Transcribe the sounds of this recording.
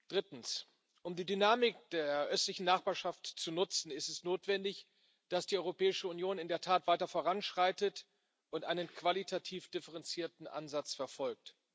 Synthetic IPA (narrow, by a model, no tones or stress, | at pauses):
d̥ʁɪtn̩s | ʔʊmdiːdynaːmɪkd̥eːɐʔœstlɪçn̩naχb̥aːɐʃaftt͡sunʊt͡sn̩ɪstɛsnoːtv̥ɛndɪç | d̥asd̥iːʔɔʏʁopʰɛːɪʃəunjoːnɪndeːɐtʰaːtv̥aɪtɐfoːʁ̞anʃʁ̥aɪtət | ʔʊntʔaɪnənkv̥alitʰatʰiːfd̥ɪfəʁɛnt͡siːɐtn̩ʔa̰nzat͡sfɛɐfɔlk̚t